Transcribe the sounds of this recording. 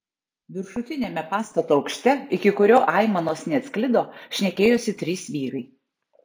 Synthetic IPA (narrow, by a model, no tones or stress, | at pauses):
ʋʲɪɾʃʊt̪ʲɪnʲeːmʲɛpɑːst̪ɐt̪oːɒʊkʃʲt̪ʲɛɪkʲɪkʊɾʲoːʔɑˑɪmɐnoːsnʲɛɐt̪sʲklʲɪd̪oːʃʲnʲɛkʲeːjoːsʲɪt̪ʲɾʲiːsʋʲiːɾɐɪ